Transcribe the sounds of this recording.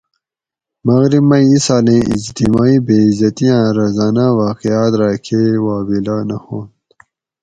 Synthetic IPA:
mɐɣɾibmɐiisaːlẽːʔḭd͡ʑt̪imaːiːbeːizɐt̪ijãːɾɐzaːnawaːqiaːt̪ɾaːkʰewaːbilanɐhõːnd̪

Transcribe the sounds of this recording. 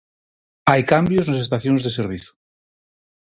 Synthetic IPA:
ajkambjoznos̬est̪aθjonzðeseɾβ̞iθu̥

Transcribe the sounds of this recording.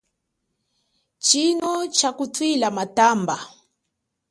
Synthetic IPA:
t͡ʃinɔt͡ʃakutwilamatamba

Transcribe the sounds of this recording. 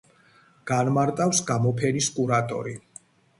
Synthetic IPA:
ɡ̥anmaɾt̪ʼafsɡamɔpʰɛniskʼuɾat̪ʼɔ̰ɾi

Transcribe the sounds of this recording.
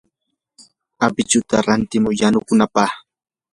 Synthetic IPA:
apɪt͡ʃʊt̪aɾant̪ɪmʊjanʊkʊnapɑχ

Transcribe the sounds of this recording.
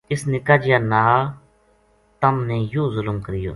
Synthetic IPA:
ɪsnɪkaːd͡ʒɪjaːnaː | t̪əmneːjoːzʊlʊmkəɾɪjo̰ː

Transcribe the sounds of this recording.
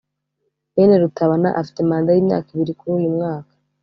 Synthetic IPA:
meneɾutaβana̰ʔafi̥temaːndajiːmɲa̰ːkiβiɾikuɾuːjumŋaːkḁ

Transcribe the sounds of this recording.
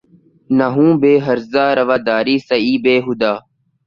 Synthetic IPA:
nəɦũːbeːɦəɾzaːɾəʋaːd̪aːɾiːsəiːbeːɦʊd̪aː

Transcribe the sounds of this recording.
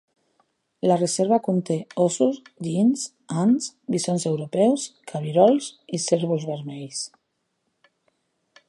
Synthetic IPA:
lareseɾβakunt̪eosuzʎins | ansβisonsewɾopɛwskʰaβiɾɔlsiseɾβuzβeɾmejs

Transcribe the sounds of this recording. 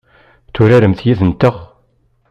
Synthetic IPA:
θʊɾæɾəmθjiðənt̪əʁ

